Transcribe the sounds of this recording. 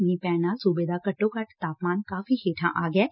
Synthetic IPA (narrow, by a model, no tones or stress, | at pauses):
mĩpɛ̃ːnasʊbeːd̪akɐʈːõkɐʈt̪aːpmaːnkaːfiɦeːʈʰã̰ʔaːɡɛː